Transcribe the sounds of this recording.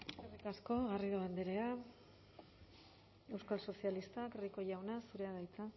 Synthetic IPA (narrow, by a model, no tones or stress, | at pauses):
erikasko̞ɣariðoand̪eɾea | e̞wskalso̞sialist̪akriko̞ʝawnasuɾe̞aðajt͡s̪a